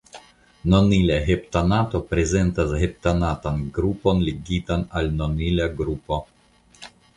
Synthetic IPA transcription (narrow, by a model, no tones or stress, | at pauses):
nonilaɦept̪anat̪opɾezent̪ashep̚t̪anat̪anɡɾuponleɡit̪analnonilaɡɾupo